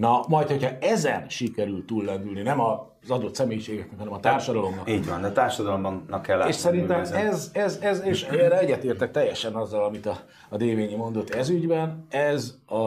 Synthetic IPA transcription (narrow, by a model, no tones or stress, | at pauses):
nɒmɒjt̪ho̞chɒɛzɛnʃikɛɾylt̪ulːɛnd̪ylninɛmɒ | zɒd̪o̞t̪sɛmeːjiʃeːɡɛknɛkhɒnɛmɒt̪aːrʃɒd̪ɒlo̞mnɒkiːɟvɒ̰nd̪ɛt̪aːrʃɒd̪ɒlombɒnnːɒkːɛlːa̰eːʃsɛɾint̪ɛmɛzɛzɛzeːʃɛɛrɛɛɟːɛt̪eːrt̪ɛk̚t̪ɛjːɛʃɛnɒzːɒlɒmit̪ɒː | d̪eːveːɲimo̞nd̪o̞t̪ːɛzyɟbɛnɛzɒ